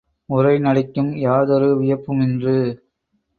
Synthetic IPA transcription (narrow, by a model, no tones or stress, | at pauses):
mʊrɐɪnɐɽɪkːɯmjaːðɔɾɯʋɪjɐpːɯmɪndrɯ